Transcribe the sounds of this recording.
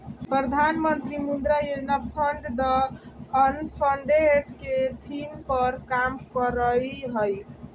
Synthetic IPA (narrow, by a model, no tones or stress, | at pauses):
pɾəd̪ʱanmənt̪ɾimund̪ɾajod͡ʒnapʰəɳɖd̪ʌː | npʰəɳɖeʈket̪ʰimpəɾkamkəɾəjɦəj